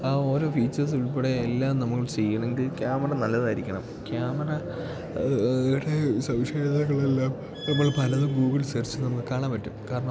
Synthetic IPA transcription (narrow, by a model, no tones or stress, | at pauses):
aːo̞ːɾo̞ːfiːt͡ɕːɐrs̬iɭpːeɽeelːaːmnɐmukːɐɭt͡ɕejːɐɳɐeŋɡilkʲjaːmɐrɐnɐlːɐðaːjiɾikʲːɐɳɐ̰m | kʲjaːmɐrɐ | ɽe̞sɐwʂeːd̪ɐɣɐɭelːaːm | ipːoːɭpɐlɐðumɡuːɡilsert͡ɕːɨnɐmukːɨkaːɳaːmpɐtːumkaːɾɐɳɐm